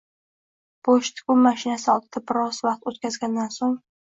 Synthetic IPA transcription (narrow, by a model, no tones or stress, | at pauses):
b̥oʃt̪ʰɪ̥kʊmaʃɪnasɒlˠt̪ɪt̪ʰapɪɾɒsvaqt̪ot̪̚kʲazɡʲand̪ansoŋ